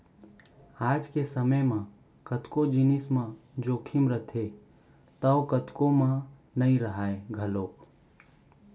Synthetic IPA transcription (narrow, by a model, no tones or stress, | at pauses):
aːd͡ʒkesəməjmã | kət̪kod͡ʒinɪsmãd͡ʒoːkʰɪmɾət̪ʰe | t̪əʊkət̪komã | nəĩɾəɦaːeɡʱəloːk